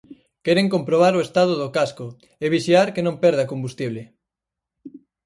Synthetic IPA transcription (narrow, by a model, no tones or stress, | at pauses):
kɛɾeŋkompɾoβ̞aɾoest̪aðʊðokasko | eβiʃjaɾkenõmpɛɾðakombust̪iβ̞lɪ